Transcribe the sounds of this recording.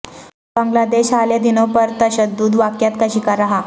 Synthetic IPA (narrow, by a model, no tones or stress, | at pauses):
bəŋɡlad̪eɕaljad̪inopəɾt̪əɕəd̪uːd̪ʋakjat̪kəɕikaɾaɦa